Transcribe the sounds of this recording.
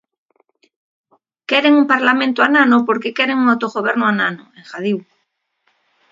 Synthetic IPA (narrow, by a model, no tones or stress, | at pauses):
keɾeŋumpaɾlamẽnt̪oananopoɾkekeɾeŋuŋawt̪oɣoβ̞eɾnoananoeŋxað̞iw